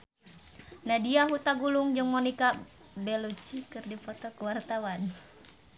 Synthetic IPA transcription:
nadiaɦut̪aɡuluŋd͡ʒɨŋmɔnika | bɛlut͡ʃikɨrdipɔt̪ɔkəwart̪awan

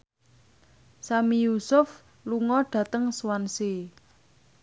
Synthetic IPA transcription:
samijusʊf | luŋɔɖ̥ä̤t̪əŋswanse

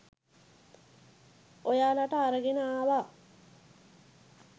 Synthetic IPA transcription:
ojaːlaʈəːɾəɡenəaːʋa

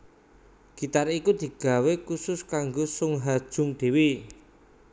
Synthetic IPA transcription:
ɡ̥it̪arikud̪̥i̤ɡ̥a̤wekusʊskaŋɡosʊŋɦad̥ʒ̥ʊ̤ŋɖ̪̥e̤wi

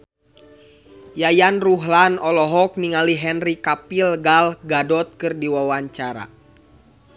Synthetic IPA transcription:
jajanruɦlanɔlɔɦɔk̚niŋaliɦɛnrikapilɡalɡadɔt̪̚kɨrdiwawaɲt͡ʃaɾa̰

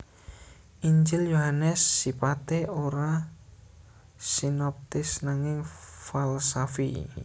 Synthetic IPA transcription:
ʔiɲd͡ʒɪljoɦanɛsːipat̪eoɾa | sinɔp̚t̪ɪsnaŋɪŋfalsafḭ

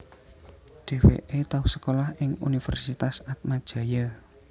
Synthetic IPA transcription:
ɖ̥e̤wḛʔet̪ausə̥kolahɪŋṵnifə̰rsit̪asat̪̚mad̥ʒ̥a̤ja

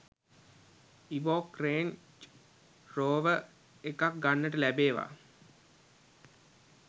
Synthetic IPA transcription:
iʋoːkreːnt͡ʃ | roːʋə | ekak̚ɡanːəʈəlæbeːʋa̰ː

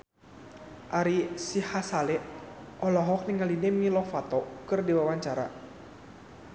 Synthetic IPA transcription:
ʔaɾisihasalɛʔ | ʔɔlɔɦɔk̚niŋalinɛmilɔfat̪ɔkɨrdiwawaɲt͡ʃaɾa

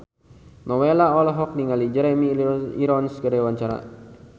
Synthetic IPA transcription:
nɔwelaɔlɔɦɔk̚niŋalid͡ʒɛɾɛmiiɾɔnsɡəɾɛwaɲt͡ʃaɾa̰

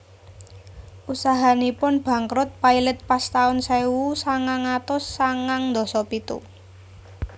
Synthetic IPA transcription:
ʔusaɦanipʊnb̥ä̤ŋkɾʊt̪̚pailɛt̪̚past̪aʊnsajwusaŋaŋat̪ʊsːaŋaŋnd̪ɔ̤sɔpit̪ṵ

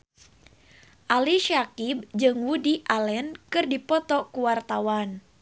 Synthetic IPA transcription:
ʔaliʃakib̚d͡ʒɨŋwudiʔalɛnkɨrdipɔt̪ɔkuwart̪awan

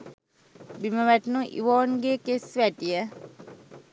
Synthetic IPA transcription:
biməʋæʈnuʔḭʋoːnɡeːkesʋæʈijə

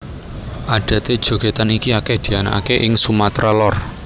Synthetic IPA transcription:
ʔaɖ̥ä̤t̪ed̥ʒ̥o̤ɡ̥e̤t̪anikiakehd̪̥i̤ana̰ʔakeʔɪŋsumat̪ɾalɔr

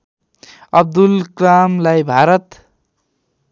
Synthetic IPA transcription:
ʌb̚d̪ulkramlajbʱaɾʌt̪

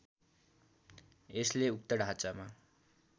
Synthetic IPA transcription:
esleuk̚t̪ʌɽʱɦat͡sama

